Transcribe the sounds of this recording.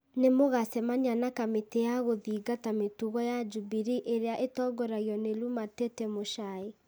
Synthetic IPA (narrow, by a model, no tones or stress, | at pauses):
nemoɣasɛmaɲanakametejaɣoðiːɡatametuɣɔjad͡ʒubiɾiʔeɾeaʔetɔɡɔɾaiɔnelumatetɛmoʃae